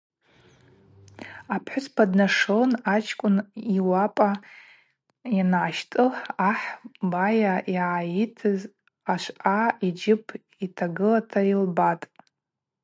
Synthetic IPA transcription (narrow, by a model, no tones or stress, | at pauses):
apʰħʷʊspʰadnaʂonat͡ʃʰkʷʼʊniwapʼa | janʕaʃtʼɨaħbajaiʕajitʰɨz | aʃʷʔaid͡ʒɪpʰ | itʰaɡɨlatʰailbatʼ